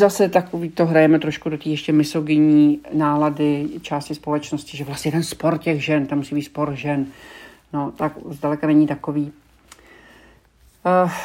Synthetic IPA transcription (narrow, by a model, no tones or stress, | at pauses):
zasɛt̪akoviːt̪o̞ɦɾajɛmɛt̪ɾoʃkut̪ak̪iːjɛʃcɛmɪso̞ɡɪɲiːnaːladɪt͡ʃaːscɪspo̞lɛt͡ʃnoscɪʒɛvlast̪ɲɛjɛdɛnspo̞ɾcɛɣʒɛnt̪ammusiːbiːt̪spo̞ɾʒɛn | no̞t̪akzdalɛkanɛɲɪt̪ako̞viː